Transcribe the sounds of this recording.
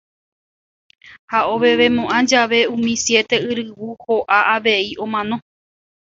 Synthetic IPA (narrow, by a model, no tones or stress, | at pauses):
haoβeʋemõʔãd͡ʒaʋe̞ũmĩsje̞t̪e̞ɨɾɨwuhoʔaʔaʋe̞iõmãnõ̞